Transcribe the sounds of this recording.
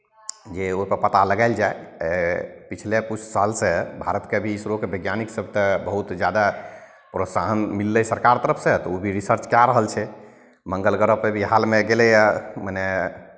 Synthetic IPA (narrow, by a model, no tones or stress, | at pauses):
d͡ʒeoipəɾpət̪aləɡaɪld͡ʒae | pit͡ʃʰlekut͡ʃʰsalsebʱaɾət̪kebʱiːsɾokebʱəɡjaniksəb̚ʱt̪ebəɦut̪d͡ʒjad̪a | pɾosaɦənmilːesəɾkaɾt̪əɾəpʰsẽt̪ɔobʱiɾisəɾt͡ʃkjaɾəɦəlt͡ʃʰɛ | məŋɡəlɡəɾəpːebʱiɦalmeɡelɛjaməne